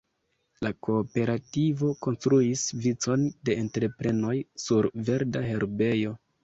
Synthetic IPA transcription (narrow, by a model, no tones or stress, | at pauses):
lako̞ːpe̞ɾativo̞ko̞nstɾuisvit͡so̞nde̞ːntɾe̞pɾe̞no̞jsuɾve̞ɾdaɦe̞ɾbe̞jo̞